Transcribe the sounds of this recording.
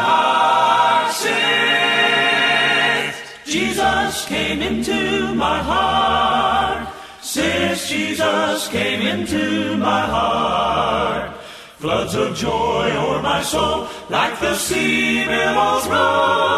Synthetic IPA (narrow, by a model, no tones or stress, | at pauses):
sɪ | d͡ʒ̥izʌskʰẽɪ̃mɪ̃ntʰʉmaɪɦɑɹ | t̚ | sɪsd̥ʒ̥izʌskʰẽɪ̃mɪ̃ntʰʉmaɪɦɑ | t̚ | flʌdzʌvd͡ʒɔɪə˞maɪsoʊlˠ | laɪk̚ðɨsiɹiɾəzɹʌ